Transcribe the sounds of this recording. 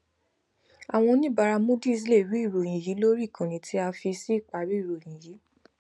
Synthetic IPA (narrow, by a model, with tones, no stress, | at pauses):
a˨w̃ɔ̃˧nĩ˦ba˧ɾa˧mõ˦di˦i˧s̬le˦˨ɾi˨˦i˦˨ɾo˨j̃ĩ˨ji˨˦lo˦ɾi˦˨kʰã˨nĩ˨tʰi˨˦a˧fi˧si˦i˦˨k͡pa˨ɾi˦i˦˨ɾo˨j̃ĩ˨ji˨˦